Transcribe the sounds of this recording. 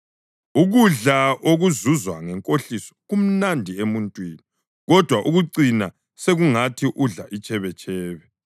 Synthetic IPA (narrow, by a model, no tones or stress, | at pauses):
uɣuɮaʔoɣuzuzwaŋɛŋkʼoɬisɔ̥ɣum̩nandʱiemuntʼwiːni | ɣɔd̥ʱwaʔuɣuǀina | seɣuŋatʰiʔuɮaʔit͡ʃʼɛβɛt͡ʃʰʼɛːβɛ